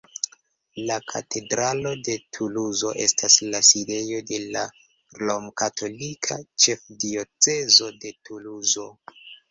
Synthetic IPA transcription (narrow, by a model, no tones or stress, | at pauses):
lakʰa̰tʰe̞dɾalo̞de̞tʰuluzo̞ʔe̞staslaside̞jo̞de̞la | lomkatʰo̞likʰat͡ʃe̞fdio̞t͡se̞zo̞de̞tʰuluzo̞